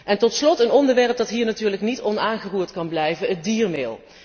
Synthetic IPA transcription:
ʔɛntɔtslɔtənɔndəɹʋɛɹp̚dɑtɦiːɹnatyːɹləknitɔnaːnχəruːɹtkɑnblɛjvəət̚diːɹmɪːlˠ

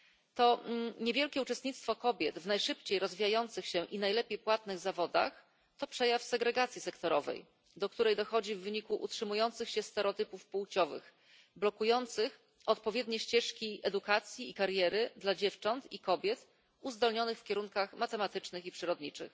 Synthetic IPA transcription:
t̪ɔɲevʲjɛlkʲɛut͡ʂɛst̪̚ɲit̪st̪fɔkɔbʲjɛt̪vnajʂɘpt͡ɕejɾɔzvʲijajɔnt̪sɘxɕɛʔinajlɛpʲjejpwat̪nɘɣzavɔd̪a̰x | t̪ɔpʂɛjafsɛɡɾɛɡat̪sʲjisɛkt̪ɔɾɔvɛ̰j | d̪ɔk̚t̪uɾɛjd̪ɔxɔd͡ʑivːɘɲikuʔṵtʂɘmujɔnt̪sɘxɕɛst̪ɛɾɔt̪ɘpufpuwt͡ɕɔvɘ̰x | blɔkujɔnt̪sɘx | ɔt̪pɔvʲjɛd̪ɲɛɕt͡ɕɛʂkʲiʔɛd̪ukat̪sʲjiːkaɾjɛɾɘd̪lad͡ʑɛft͡ʂɔnt̪ikɔbʲjɛt̪ | uzd̪ɔlɲɔnɘxfkʲɛɾuŋkaxmat̪ɛmat̪ɘt͡ʂnɘxipʂɘɾɔd̪ɲit͡ʂɘ̰x

